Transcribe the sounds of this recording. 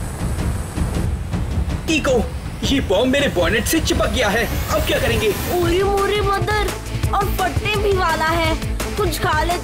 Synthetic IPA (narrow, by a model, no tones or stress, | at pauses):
ʈiːkoː | jeːbɔːmːeːɾebɔːneʈset͡ʃɪpək̚ɡijaɦɛːɐb̚kjaːkɐɾẽːŋɡeːuːɾimuːɾimɐ̃nd̪əɾ | ɔːɾpɐɽʈebʱiʋaːlaɦɛː | kʊt͡ʃʰkaːle